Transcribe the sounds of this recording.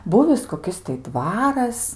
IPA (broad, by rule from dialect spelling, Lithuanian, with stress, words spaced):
ˈbuːʋʲɪs koːˈkʲɪs tɐɪ ˈdʋɑːrɐs